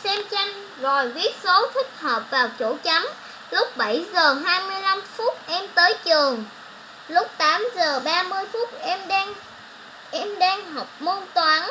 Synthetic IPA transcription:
sɛ˧mt͡ɕa˧jŋ̟ | zo˨˩jvi˦˥ət̚so˨˦t̪ʰï˦˥k̟̚həː˨˩p̚vaː˨˩wt͡ɕo˧˩t͡ɕa˨˦m | lʊ˦˥k͡p̚ɓə˧˩jzəː˨˩ɦaː˧jmɨ˧əjla˧mfu˦˥t̚ʔɛ˧mt̪əː˨˦jt͡ɕɨ˨˩əŋ | lʊ˦˥k͡p̚t̪aː˨˦mzəː˨˩ɓaː˧mɨ˧əjfu˦˥t̚ʔɛ˧mɗŋ | ʔɛ˧mɗɛː˧nɦa˨˩wk͡p̚mo˧nt̪waː˨˦n

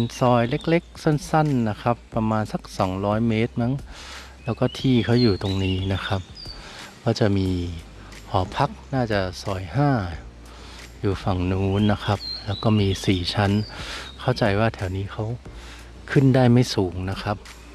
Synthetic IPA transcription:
nsɔː˧˩jle˦˥k̚le˦˥k̚so˧˥˩nsa˥˩nːa˦˥kʰa˦˥pːa˧maː˧nsa˧˦k̚sɔː˩˦ŋɾɔː˦˥jmeː˦˥t̪̚ma˦˥ŋ | lɛː˦˥wkɔː˥˩t̪ʰiː˧˥˩kʰa˦˥wjuː˨˩t̪o˧ŋniː˦˥na˦˥xʰa˦˥p̚ | kɔː˥˩t͡ɕa˨˩miː˧ | hɔː˩˦pʰa˦˥k̚naː˥˩t͡ɕa˨˧˩sɔː˨˩jɦaː˥˩ | juː˨˩fa˨˩ŋnuː˨˦nːa˦˥kʰa˦˥p̚lɛː˦˥wkɔː˥˩miː˧siː˨˩t͡ɕʰa˦˥nkʰa˥˩wt͡ɕa˨˩jwaː˥˩t̪ʰɛː˩˦wniː˦˥kʰa˦˥w | kʰɯ˥˩˨ndaː˥˩jma˥˩jsuː˨˩˦ŋna˦˥kʰa˦˥p̚

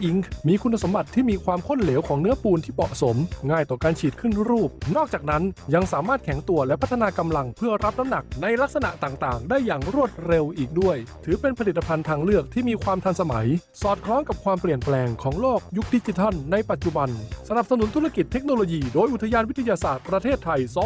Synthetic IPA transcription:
ʔi˦ŋkmiː˧kʰu˧nːa˧so˩˦mba˨˩t̪ʰːiː˥˩miː˧kʰwaː˧mkʰo˥˩nle˩˦wkʰɔː˩˦ŋnɯ˦˥ɐpuː˧nt̪ʰiː˥˩mɔ̰˨ʔso˩˦mŋaː˧˩jt̪ɔː˨˩kaː˧nt͡ɕʰiː˨˩t̪̚kʰɯ˥˩n˥ɾuː˥˩p̚nɔː˥˩k̚t͡ɕaː˨˩k̚na˦˥nja˧ŋsaː˩˦maː˥˩t̪̚kʰɛ˨˩˦ŋt̪u˧ɐlɛ˦˥ʔpʰa˦˥t̪ʰːa˧naː˧ka˧mla˧ŋpʰɯ˥˩ɐɾa˦˥p̚na˦˥mna˨˩k̚na˧jla˦˥k̚sa˧na̰˨˩ʔt̪aː˨˩ŋt̪aː˨˩ŋdaː˥˩jːaː˨˩ŋɾu˥˩ət̪̚ɾe˧wʔiː˨˩k̚du˥˩əjt̪ʰɯː˩˦pe˧npʰa˧li˨˩t̪ːa˧pʰa˧nt̪ʰaː˧ŋlɯ˥˩ək̚t̪ʰiː˥˩miː˧kʰwaː˧mt̪ʰa˧nsa˧ma˩˦jsɔː˨˩t̪̚kʰlɔː˦˥ŋka˨˩p̚kʰwaː˧mpli˨˩ənplɛː˧ŋkʰɔː˩˦ŋloː˥˩k̚ju˦˥k̚di˦˥t͡ɕi˧t̪ʰa˥˩nːa˧jpa˨˩t̪̚t͡ɕu˨˩ba˧nsa˧na˨˩p̚sa˧nu˨˩˦nt̪ʰu˦˥ɾa˥˧˩ki˨˩t̪ʰːe˦˥k̚no˧loː˧jiː˧doː˧jʔu˨˩t̪ʰːa˧jaː˧nwi˦˥t̪ʰːa˧jaː˧saː˨˩t̪̚pɾa˧t̪ʰeː˥˩t̪ʰːa˧jsɔː˦

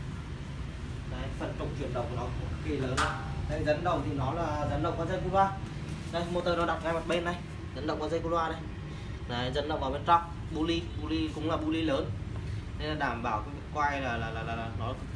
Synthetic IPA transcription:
na˨˩fə˨˩nt͡ɕʊ˨˧˩ŋ͡mt͡ɕwi˧˩ənɗə̰˨˩wk͡pkːnɔ˨˦kə˨˩ki˧ləː˨˦na˨˧˩ | t̪ʰa˨˧˦zə˨˦nɗə˨˩wt̪ʰi˨˩nɔ˨˦laː˨˩zə˨˦nɗə˨˩w̚kaː˨˦zə˧jku˧lwaː˧ | na˨˧˦jmo˨˩t̚t̪ːəː˨˩nɔ˨˦ɗa˨˩t̚kaː˨˧˦jma˨˩ɓe˧nːa˨˩j | zə˨˦nɗə˨k͡pkwa˨˦zə˧ŋku˧lwaː˧na˨˩j | naː˨˩˨zə˨˦nɗə̰˨wŋ͡mɓaː˨˦ɓe˧˩nt̪ɔ˦˥p̚ | ɓu˧li˧ɓu˧li˧kʊ̰˧˦ŋ͡mlaː˨˩ɓu˧li˧ləː˨˦nt̪ʰe˨˦laː˨˩ɗaː˧˩mɓaː˧˩wkːkwaː˧jlaː˨˩laː˨˩laː˨˩laː˨˩laː˨˩nɔ˨˦˨

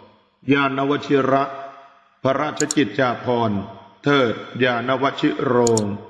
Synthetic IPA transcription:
jaː˧na˦˥wa˦t̪̚t͡ɕʰi˦˥ɾa˦˥ʔ | pʰa˧ɾa˦˥˩t̪̚t͡ɕʰa˧˦t͡ɕi˨˩t̪̚t͡ɕaː˧pʰɔː˧nt̪ʰɤː˨˩t̪̚jaː˧na˦˥wa˦˥t͡ɕʰi˦˥ʔɾoː˧ŋ

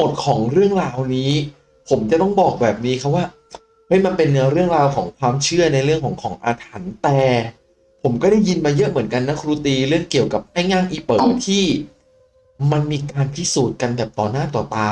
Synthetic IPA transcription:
mo˨˩t̪̚kʰɔː˩˦ŋɾɯ˥˩əŋɾaː˧wniː˦˥ | pʰo˩˦mt͡ɕa˨˩t̪ɔ˥˩ŋbɔː˨˩k̚bɛː˨˩p̚niː˦˥kʰa˦˥pwaː˥˩ | ma˥˩jma˧npe˧nːɯ˧˦ɾɯ˥˩əŋɾaː˧wkʰɔː˩˦ŋkʰwaː˧mt͡ɕʰɯ˥˩ɐna˧jɾɯ˥˩əŋkʰɔː˩˦ŋkʰɔː˩˦ŋʔaː˧t̪ʰa˩˦nt̪ɛː˨˩ | pʰo˩˦mkɔː˥˩ɾa˥˩jːi˧nmaː˧jɤ˦˥ʔmɯ˩˦nka˧nːa˦˥kʰɾuː˧˥t̪iː˧ɾɯ˥˩əŋki˨˩əwka˨˩p̚ʔa˥˩jŋaː˥˩ŋʔiː˧pɤː˨˩t̪ʰiː˥˩ | ma˧nmiː˧kaː˧npʰi˦˥˩suː˨˩t̪̚ka˧nbɛː˨˩p̚t̪ɔː˨˩naː˥˩t̪ɔː˨˩t̪aː˧

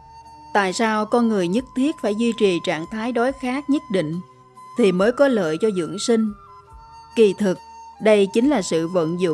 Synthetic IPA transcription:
t̪a̰ː˧˨jsaː˧wkɔ˧nŋɨ˨˩əjɲə˦˥t̚t̪ʰi˦˥ət̚faː˧˩jzwi˧t͡ɕi˨˩t͡ɕa̰ː˧˨ŋt̪ʰaː˨˦jɗɔ˨˦jxaː˦˥k̚ɲə˦˥t̚ɗḭ̈˧˨ŋ̟ | t̪ʰi˨˩məː˨˦jkɔ˨˦lə̰ː˧˨jt͡ɕɔ˧zɨ̰˧˩˥əŋsi˧ŋ̟ | ki˨˩t̪ʰɨ˨˩k̚ɗə˧jt͡ɕï˨˦ŋ̟laː˨˩sɨ̰˧˨və̰˧˨nzʊ̰˧˨

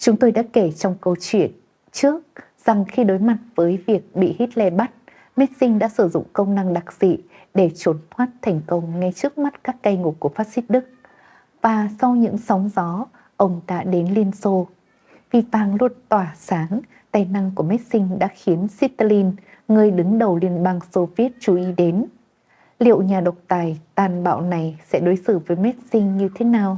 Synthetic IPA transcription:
t͡ɕʊ˨˦ŋ͡mt̪o˧jɗa̰ː˧˥ke˧˩t͡ɕɔ˧wŋ͡mkə˧wt͡ɕwḭ˧˨ən | t͡ɕɨ˦˥ək̚ | z̥a˨˩ŋxi˧ɗo˨˦jma˨˩t̚vəː˨˦jvi˨˩ək̚ɓḭ˧˨hi˦˥t̚lɛ˧ɓa˦˥t̚ | mɛ˦˥t̚sï˧ŋ̟ɗa̰ː˧˥sɨ˧˩zʊ̰˧˨ŋ͡mkə˧wŋ͡mna˧ŋɗa˨˩k̚z̥ḭ˧˨ | ɗe˧˩t͡ɕo˨˦nt̪ʰwaː˦˥t̚t̪ʰɛ˨˩jŋ̟kə˧wŋ͡mŋa˧jt͡ɕɨ˦˥ək̚ma˦˥t̚kaː˦˥kːa˧jŋu˨˩p̚ku˧˩əfaː˦˥t̚si˦˥t̚ɗɨ˦˥k̚ | vaː˨˩sɔ˧wɲɨ̰˧˥ŋsɔ˨˦wŋ͡mzɔ˨˦ | ʔə˧wŋ͡mɗa̰ː˧˥ɗe˨˦nli˧ənso˧ | vi˨˩vaː˨˩ŋlu˧˩t̚t̪waː˧˩saː˨˦ŋ | t̪aː˨˩jna˧ŋku˧˩əmɛ˦˥t̚sï˧ŋ̟ɗa̰ː˧˥xi˨˦ənsi˦˥t̪t̪a˧li˧n | ŋɨ˨˩əjɗɨ˨˦ŋɗə˨˩wli˧ənɓaː˧ŋso˧vi˦˥ət̚t͡ɕu˧˩ʔi˨˦ɗe˨˦n | lḭ˧˨ə˨wɲaː˨˩ɗə˨˩wk͡p̚t̪aː˨˩jt̪aː˨˩nɓa̰ː˧˨wna˨˩jsɛ̰˧˥ɗo˨˦jsɨ˧˩vəː˨˦jm˦˥t̚sï˧ŋ̟ɲɨ˧t̪ʰe˨˦naː˨˩w

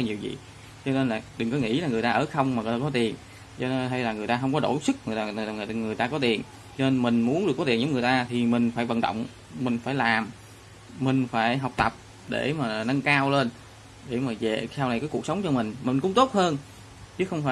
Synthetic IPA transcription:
ka˧ɲi˨˩wzḭ˧˨ | t͡ɕɔ˧ne˧nlaː˨˩ɗɨ˨˩ŋkɔ˨˦ŋḭ˧˥laː˨˩ŋɨ˨˩əjt̪aː˧ʔəː˧˩xə˧wŋ͡mmaː˨˩ŋ˨˩aː˧kɔ˨˦t̪i˨˩ən | t͡ɕɔ˧ɦa˧jlaː˨˩ŋɨ˨˩əjt̪aː˧ɦə˧wŋ͡mkɔ˨˦ɗo˧˩sɨ˦˥k̚ŋ˨˩ə˧˩˨ŋɨ˨˩əjt̪aː˧kɔ˨˦t̪i˨˩ən | t͡ɕɔ˧ne˧nmï˨˩ŋ̟mu˨˦ənɗɨ˨˩kːɔ˨˦t̪i˨˩nzə˨˦ŋ͡mŋɨ˨˩ə˩jt̪aː˧t̪ʰi˨˩mï˨˩ŋ̟faː˧˩jvə̰˧˨nɗə̰˧˨wŋ͡m | mï˨˩ŋ̟faː˧˩jlaː˨˩m | mï˨˩ŋ̟faː˧˩jɦə˨˩wk͡p̚t̪ə˨˩p̚ | ɗe˧˩maː˨˩˨nə˧ŋkaː˧wle˧n | ɗe˧˩maː˨˩zḛ˧˨saː˧wna˨˩jkaː˨˦ku˨˩ək̚sə˨˦wŋ͡mt͡ɕɔ˧mï˨˩ŋ̟mï˨˩ŋ̟kʊ̰˧˥ŋ͡mt̪o˦˥t̚həː˧n | t͡ɕɨ˨˦xə˧wŋ͡mfaː˧

